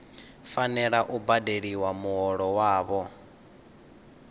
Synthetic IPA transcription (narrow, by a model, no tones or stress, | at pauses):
fanɛɺaʔubadeɺiwamuɦɔɺɔwaːβɔ